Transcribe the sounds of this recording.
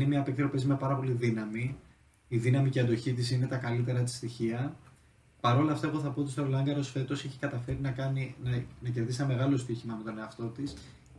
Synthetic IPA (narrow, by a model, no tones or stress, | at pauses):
nemiɐːpekt̪ɾo̞pezme̞pɐɾɐpo̞liðinɐmi | iðinɐmiceɐnd̪o̞çit̪isine̞t̪ɐkɐlit̪e̞ɾɐt̪i̥st̪içiɐ | pɐɾo̞lɐːft̪ɐe̞ɣo̞θɐpoot̪ist̪oɾolɐŋɡɐɾosfe̞t̪o̞seçi̥kɐt̪ɐfe̞ɾinɐkɐninɐnɐce̞ɾðisnɐme̞ɣɐlo̞st̪içimɐme̞t̪o̞ne̞ɐft̪o̞t̪is